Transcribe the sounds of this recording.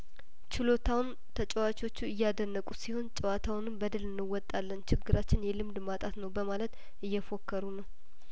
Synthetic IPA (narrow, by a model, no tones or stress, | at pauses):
t͡ʃʰɪlo̞t̪ʰawn | t̪ʰət͡ʃʼɛwat͡ʃo̞t͡ʃːuɨjːad̪ənːəkʼusiho̞nt͡ʃʼɛwat̪ʰawnɨmbəd̪ɨlɨnːɨwːɔt̪ʼːalːənt͡ʃɪɡːɨɾat͡ʃːɪnjɛlɨmd̪mat̪ʼat̪nəwbəmalət̪ | ʔɨjːɛfo̞kːəɾunəw